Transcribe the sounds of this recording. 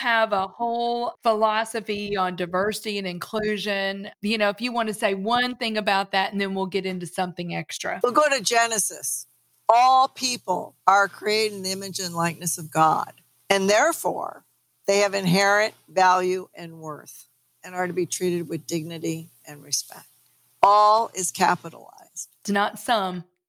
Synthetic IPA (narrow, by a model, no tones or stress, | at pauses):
əvəhoʊlˠfəlɑsɨfiə̃ndaɪvɜ˞sɨɾiɨ̃nɨ̃nkʰl̥ʉʒɨ̃njɨñoʊɨfjɨwɑ̃nɨseɪwʌ̃nθɪ̃ŋɨbaʊt̪̚ðætn̩ðɨ̃nwilˠɡɛɾɪ̃ntʉsʌ̃mθɪ̃ŋɛkstɹ̥ɨ̰wlˠɡoʊɾɨd͡ʒɛnɨsɨ̰s | ɔlˠpʰipl̩ˠə˞kʰɹ̥ieɪɾɪ̃ŋðiɪ̃mɨd͡ʒɨ̃nlaɪk̚nɨsʌvɡɑ̰d̥ | ɨ̃nðɛɹfɔ̰ɹ | ðeɪɨvɨ̃nɦɛɹɨ̃ntvælˠjʉʔɨ̃nwɜ˞θ | ɨ̃nə˞ɾɨbitʰɹ̥iɾɨd̚wɨðdɪɡ̚nɨɾi | ɨ̃nɹɨspɛ̰k̚t̚ | ɔlˠɪz̥kʰæpəɾ̰l̩a̰ɪz̥d̥d̥ɨnətsʌ̃m